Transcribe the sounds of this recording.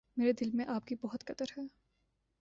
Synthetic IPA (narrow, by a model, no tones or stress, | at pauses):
meːɾed̪ɪlmẽʔaːpkibɔɦʊt̪kɐt̪əɾɦɛː